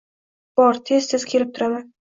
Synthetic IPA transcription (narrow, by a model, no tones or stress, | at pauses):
b̥ɒɾt̪ʰe̞zt̪ʰezkʲʰe̞lɪp̚t̪ʰʊɾaman